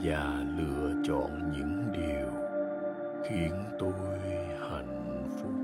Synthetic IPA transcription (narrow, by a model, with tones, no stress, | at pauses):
zaː˨˩lɨ̰˧˨ət͡ɕɔ̰˧˨nɲɨ̰˧˥ŋɗi˨˩əw | xi˨˦ənt̪o˧jj | ha˧˩jŋ̟ | fʊ˦˥k͡p̚